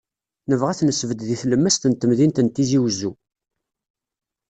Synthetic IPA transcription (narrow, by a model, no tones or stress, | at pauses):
nəvʁæθnəsvəd̪ðiθləmːæst̪ənt̪ːəmðint̪ənt̪ːiziwzːu